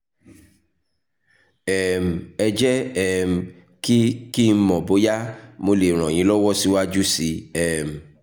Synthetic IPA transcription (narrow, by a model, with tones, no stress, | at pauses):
ɛ˨m̩˨ɛ˧d͡ʒɛ˦ɛ˦m̩˨ | ki˦ki˦mɔ̃˨bo˨˦ja˦mo˨˧le˨ɾ̃ɔ̃˨j̃ĩ˨˦lɔ˦wɔ˦si˦wa˦d͡ʒu˦si˧ɛ˦˨m̩˨